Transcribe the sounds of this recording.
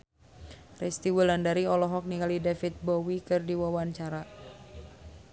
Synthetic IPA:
rɛst̪iwulandaɾiɔlɔɦɔk̚niŋɡalidafit̪̚bɔwikɨrdiwawaɲt͡ʃaɾa

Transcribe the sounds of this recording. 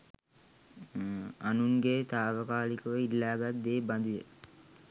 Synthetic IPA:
anuŋɡet̪aːʋəkaːlikəʋəilːaːɡat̪̚d̪eːband̪ujə

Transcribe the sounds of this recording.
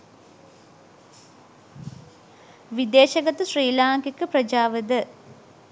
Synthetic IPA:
ʋid̪eːʃɐɡɐt̪ɐsriːlaːŋkikːəprɐd͡ʒaːʋəd̪ə

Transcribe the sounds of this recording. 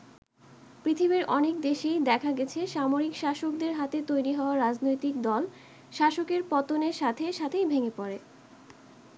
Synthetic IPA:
pɾit̪ʰibiɾʔɔnek̚d̪eʃejd̪ɛkʰaɡɛt͡ɕʰeʃamoɾikʃaʃok̚d̪eɾɦat̪et̪ojɾiɦɔoaɾad͡ʑnojt̪ik̚d̪ɔl | ʃaʃokeɾpɔt̪oneɾʃat̪ʰeʃat̪ʰejbʱeŋepɔɾe

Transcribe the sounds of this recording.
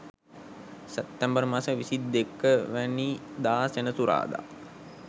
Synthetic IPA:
sɛp̚t̪ːɛmbəɾmasəʋisid̪ːekːəʋænid̪aːsenəsuɾa̰ːd̪a̰

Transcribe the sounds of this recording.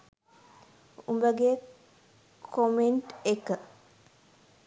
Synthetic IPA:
umbəɡe | kʰomeɳʈekə

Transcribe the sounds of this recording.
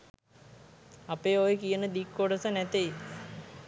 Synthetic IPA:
apeːojekijənəd̪ikːoɖəsənæt̪ej

